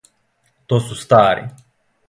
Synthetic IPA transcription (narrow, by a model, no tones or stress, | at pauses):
t̪ot̪sust̪aːɾḭ